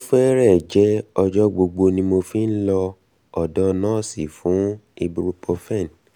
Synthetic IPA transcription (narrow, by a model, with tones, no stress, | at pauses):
o˧fɛ˦ɾɛ˦˨d͡ʒɛ˨˦ɔ˧d͡ʒɔ˦ɡ͡bo˧ɡ͡bo˧nĩ˧mo˧fi˦n̩˦lɔ˧ | ɔ˨dɔ˦nãː˦˨si˦˨fũ˨˦i˧bu˧ɾu˧po˧fɛ̃˦˨n˨